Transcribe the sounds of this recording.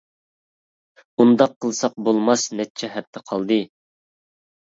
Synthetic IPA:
und̪ɑqʰːəlˠsɑq̚bolˠmɑsnɛt̚t͡ʃʰɛɦɛp̚t̪ʰːɛqʰɑlˠd̪ɨ

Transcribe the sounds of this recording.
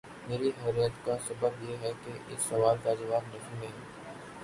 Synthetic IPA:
meːɾiɦɛːɾijət̪kasɐbəbjeɦɛkeʔɪsːɐʋaːlkad͡ʒɐʋaːbnɐɦĩmẽɦɛ̃ː

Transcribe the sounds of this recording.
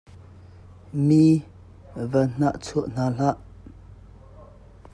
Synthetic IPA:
mi | vən̥aʔt͡sʰuəʔn̥aɬaʔ

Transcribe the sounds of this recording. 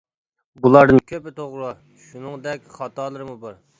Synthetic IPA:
bulˠɑɾd̪ɨnkʲʰøpɪt̪ʰoʁɾʊ | ʃunɨŋd̪ɛkʲχɑt̪ɑlˠɨɾmubɑɾ

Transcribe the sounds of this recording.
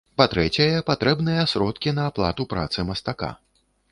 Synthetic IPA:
pat̪ɾɛt͡sʲɐjɐpat̪ɾɛbnɨjɐsɾɔt̪̚kʲinɐːplˠa̰t̪upɾa̰t̪sɨmɐst̪aka̰

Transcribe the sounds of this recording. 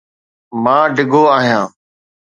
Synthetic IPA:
mãːɖɪɡʱoːaːɦijãː

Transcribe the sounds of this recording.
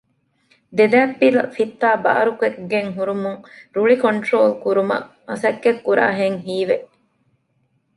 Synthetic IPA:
d̪ed̪æːpːilɐfit̪ːaːba̰ːɾukuekɡeŋɦuɾumuŋɾuɭikoɳʈɾoːlkuɾumɐ̰ʔ | ɐsɐkːekːuɾa̰ːɦeŋɦiːʋeʔ

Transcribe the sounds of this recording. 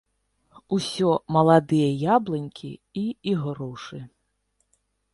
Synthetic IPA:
usʲɔmɐlˠad̪ɨjɐjablˠɨnʲkʲʰḭ | iiɣɾɔʂɨ

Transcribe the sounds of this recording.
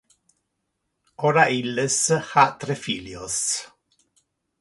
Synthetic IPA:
oɾailːeshat̪ɾefiljos

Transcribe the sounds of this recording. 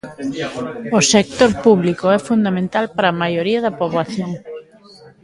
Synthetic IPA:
osek̚t̪oɾpuβlikoɛfund̪amẽnt̪alpaɾamajoɾiɐðɐpoβlaθjoŋ

